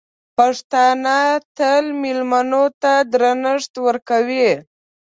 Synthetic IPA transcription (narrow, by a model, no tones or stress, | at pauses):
paʂt̪ɑnat̪əlmilmanot̪ad̪ɾanəʂt̪wəɾkawi